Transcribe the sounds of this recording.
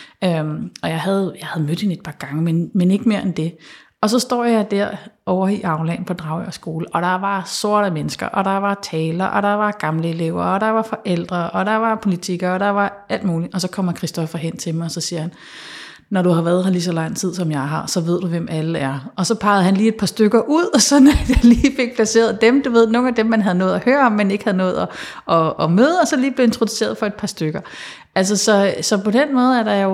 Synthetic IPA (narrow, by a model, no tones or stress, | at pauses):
ømɒ̽jɑ̈ɪɦæð̞̩ˠjɑ̈ɪhæð̞ˠmød̥he̝nəed̥̚pʰɑ̈ːɡ̥ɑ̈ŋəmenmene̝ɡ̥əme̝ːɐ̰ʔend̥e̝ | ɒ̽sɒ̽sd̥ɒ̰ːjɑ̈ɪd̥æɐ̰ɒʊɐiʔɑ̈ʊlɛ̰ːn̩pʰɒ̽d̥ʁɑ̈ʊəɒsɡ̥o̝ːləʔɒ̽ɾ̥ɑ̈ʋɑ̈so̝ɐ̰ɾəmenəsɡ̥ɐ̰ʔɒ̽ɾ̥ɑ̈ʋɑ̈t͡sʰɛːlɐʔɒ̽ɾ̥ɑ̈ʋɑ̈ɡ̥ɑ̈mləe̝le̝ʊ̰ɐɒ̽ɾ̥ɑ̈ʋɑ̈fɒ̽ʔel̰d̥ʁɐɒ̽d̥ɑ̈ʋɑ̈pʰo̝lit͡sʰiɡ̥ɐɒɾ̥ɑ̈ʋɑ̈æl̰d̥̚muːliʔɒ̽sɒ̽kʰɒ̽m̰ɐkʰʁisd̥ɒ̽fɐɦen̰t͡sʰe̝lmɑ̈ɪɒsɒ̽siːɐhæn | nɒɾ̥uhɑ̈ʋæːɐðˠhɑlis̬ɒ̽lɑ̈ŋ̰t͡sʰið̞̰ˠsɒ̽mjɑ̈ɪɦɑ̈sɒ̽ʋe̝ð̰ˠd̥uʋem̰æləæɐɒ̽sɒ̽pʰɑ̈ɪð̩ˠhænliːe̝d̥̚pʰɑ̈sd̥øɡ̥ɐʔuð̞̰ˠsɒ̽næ̥jɑliːfe̝ɡ̥̚pʰlæse̝̰ːɐð̩ˠd̥emd̥uʋe̝ð̰ˠno̝ːn̩æd̥emːænɦæð̞̩ˠnɔ̽ːð̩ˠæhøːɐɒ̽mːæne̝ɡ̥hæð̞̩ˠnɔ̽ːð̞̩ˠɒ̽ɒ̽ːmøːð̩ˠɒ̽sɒ̽liːb̥le̝e̝nt͡sʰʁo̝d̥ˠu̥se̝̰ːɐðˠfɒ̽e̝d̥̚pʰɑ̈sd̥øɡ̥ɐ | ʔæls̬ɐsɒ̽sɒ̽pɒ̽denmɔ̽ːð̞̩ˠæɐɾ̥ɑ̈jo